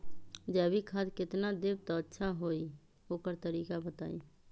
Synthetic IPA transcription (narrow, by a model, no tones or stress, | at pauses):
d͡ʒɛːbʱikʰad̪kɪt̪nad̪eb̚t̪ɔətːʃʰaɦoi | oːkəɾt̪əɾiːkabət̪aːḭ̃